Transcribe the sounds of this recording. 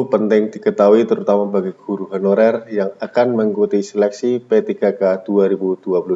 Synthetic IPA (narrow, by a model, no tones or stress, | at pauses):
pənt̪ɪŋdikət̪auit̪əɾut̪amabaɡiɡ̥uɾuɦanoɾɛrjaŋakanməŋkut̪isɛlɛksipet̪iɡakad̥uaɾibud̥uapulu